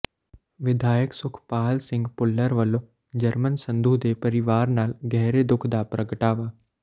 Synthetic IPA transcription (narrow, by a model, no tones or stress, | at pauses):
ʋɪd̪ʱaːjəksʊkʰpaːlsɪ̃ŋɡpʊlːəɾʋəlo | d͡ʒəɾmənsə̃nd̪uːd̪epəɾɪʋaːɾnaːlɡɛɦɾed̪ʊkʰd̪apɾəɡəʈaːʋaː